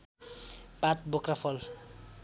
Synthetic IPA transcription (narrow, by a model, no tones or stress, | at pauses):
pat̪̚bokrapʰʌl